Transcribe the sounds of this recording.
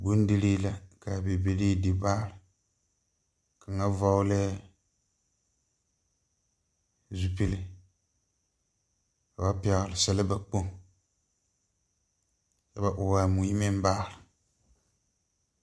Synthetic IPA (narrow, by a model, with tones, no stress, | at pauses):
bu˦n˦dɪ˦li˦la˨ka˨be˨be˨li˦dɪ˨baː˦lɨ˨ | ka˨ŋa˦va˦wʊ˦lɛ˦ | zu˨pi˦lɪ˦ | ka˨ba˦pɛ˨ɣlɨ˨sɛ˨lɨ˦ba˨k͡po˦ŋ | ka˨ba˨ʔʊ˨wa˨mu˨ji˦mɪ˦m˦baː˦˨lɨ˨